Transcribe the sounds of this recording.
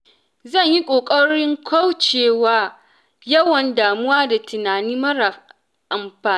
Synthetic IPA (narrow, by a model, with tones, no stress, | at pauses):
zɐ˦˨ɲji˦kʷʼoː˨kʼɐ˦ɽɪ˦ŋkʷʰa˦wt͡ʃeː˨waː˦ | jɐ˦wɐ˨ndaː˨mʊ˦waː˦da˨tʊ˨naː˨niː˦mɐ˦ɾa˨ | ʔa˨mɸaː˨˦